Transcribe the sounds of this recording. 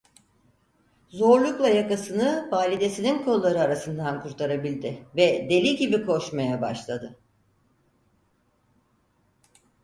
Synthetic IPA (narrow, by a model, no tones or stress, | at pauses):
zo̞ɾlˠuklˠajakasɯnɯvaːlʲid̪e̞sininkʰo̞lˠlˠaɾɯaɾasɯnd̪ankʰuɾt̪ʰaɾabilʲd̪ɪvɛd̪e̞lʲiɟibikʰo̞ʃmajaba̰ʃlˠad̪ɯ